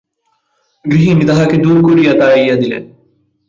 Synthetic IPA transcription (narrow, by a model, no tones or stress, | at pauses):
ɡɾiɦinid̪ɐɦɐked̪uːɾkuɾijɐt̪aːijɐd̪ilḛn